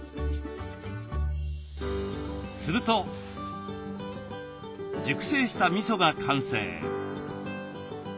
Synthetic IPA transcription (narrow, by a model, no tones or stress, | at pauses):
sɨɾɯ̟t̪o̞ | d͡ʑɨkɯ̟̥se̞ːɕi̥t̪amʲiso̞ɡakʰãɰ̃se̞̰ː